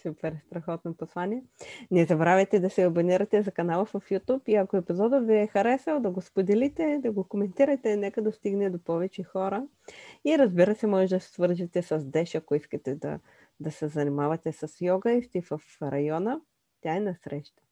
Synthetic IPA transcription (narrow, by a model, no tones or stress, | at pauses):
supɛɾst̪ɾɐxɔt̪nopɐslˠaniɛnɛzɐbɾavɛt̪ɛd̪ɐsɛɐboniɾɐt̪ɛzɐkɐnalˠɐvɐfjut̪upiɐkoɛpizɔd̪ət̪viɛxɐɾɛsɐlˠd̪ɐɡospod̪ɛlit̪ɛd̪ɐɡokomɛnt̪iɾəjt̪ɛnɛkəd̪ɐst̪iɡnɛd̪opɔvɛt͡ʃɛxɔɾə | iɾɐzbiɾəsɛmɔʒɛd̪ɐsɛ̥svɤɾʒit̪ɛsɐzd̪ɛʃɐkoiskɐt̪ɛd̪ɐ̰ | d̪ɐsɛzɐnimavɐt̪ɛsɐsjɔɡəift̪ivɐfɾɐjɔnə | t̪ʲjaɛnɐsɾɛʃt̪ɐ̥